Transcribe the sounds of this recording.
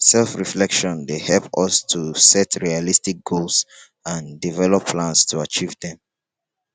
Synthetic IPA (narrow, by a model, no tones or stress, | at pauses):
sɛlfɹiflɛkʃɔ̃ndehɛlpʌstʰusɛtʰɹialistik̚ɡ̥ols | ãndivɛlɔpʰːlãnstʰuat͡ʃivðɛ̃m